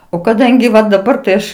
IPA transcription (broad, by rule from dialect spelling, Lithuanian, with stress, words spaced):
oː kɐˈdɐŋʲɡʲɪ ʋɐ dɐˈbɐr tɐɪ ˈɐʃ